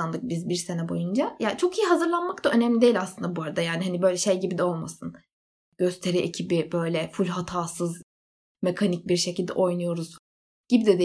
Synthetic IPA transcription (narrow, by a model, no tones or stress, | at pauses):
and̪ˠɯk̚bizbiɾse̞nɛbo̞jund͡ʒajaːt͡ʃʰo̞kijiɦazɯɾlˠanmakt̪aø̞nɛmlʲid̪e̞ilʲaslˠɯnd̪abuaɾad̪ajaːnihanibø̞jlʲɛʃejɟibid̪ɛo̞lˠmasɯn | ɟ̥ø̞st̪ʰe̞ɾiʔecʰibibø̞jlʲɛfulʲɦat̪ʰaːsɯz | me̞kʰanic̚biɾʃecʰilʲd̪ɛ̰ʔo̞jnujo̞ɾuz̥ | ɟ̥ibid̪ɛd̪